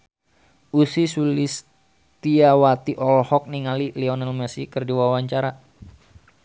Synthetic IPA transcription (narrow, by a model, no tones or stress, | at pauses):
ʔusisulis | t̪iawat̪iʔɔlhɔk̚niŋalilɛɔnalmɛsikɨrdiwawaɲt͡ʃaɾa